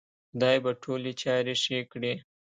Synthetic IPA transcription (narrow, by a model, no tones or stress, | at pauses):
xʊd̪ɑjbaʈʰoːlit͡ʃɑːɾeʂekɽi